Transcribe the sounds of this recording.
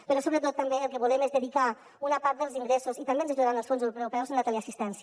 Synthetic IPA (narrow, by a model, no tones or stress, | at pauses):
pəɾɔsoβɾət̪̬ot̪ːambeəlˠkəβulemezðəðika | unapaɾt̪̚d̪əlˠziŋɡɾesuzit̪ambenzaʒuðəɾanəlˠsfonzewɾuɾupɛwzənlat̪aleasist̪ɛnsj